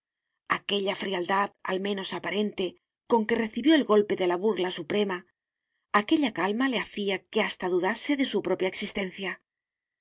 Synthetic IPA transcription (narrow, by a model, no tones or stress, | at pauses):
ake̞ʎafɾiald̪aða̰lmẽ̞no̞sapaɾe̞nt̪e | ko̞ŋke̞re̞θiβjo̞elɣo̞lpe̞ðe̞laβuɾlasupɾe̞maː | ke̞ʎakalmale̞aθiake̞ast̪aðuðase̞ðe̞supɾo̞pjaeksist̪e̞n̟θja